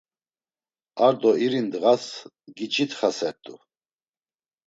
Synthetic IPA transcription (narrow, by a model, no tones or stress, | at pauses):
aɾd̪ɔiɾind̪ɣas | ɡit͡ʃʼit̪ʰχasɛɾt̪ʼu